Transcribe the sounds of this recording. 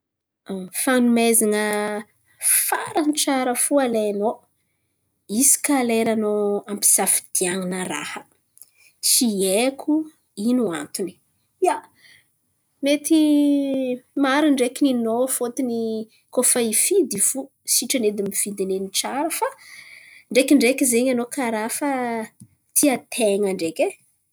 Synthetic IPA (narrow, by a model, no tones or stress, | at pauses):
fanumezaŋə | faɾəniʈ͡ʂaɾəfualeno | isi̥kaleɾanoampi̥safi̥d̪̥iaŋinəɾa̰hə̥ | siekʲu | inua̰nt̪uni̥ | ja | met̪i | maɾiɳɖ͡ʐekininofot̪ini | kofaifid̪iv̥u | siʈ͡ʂəned̪imivid̪ineniʈ͡ʂaɾəfa | ɳɖ͡ʐekʲiɳɖ͡ʐekizeɲanokaɾafa | t̪ʰiat̪ʰeŋəɳɖ͡ʐeke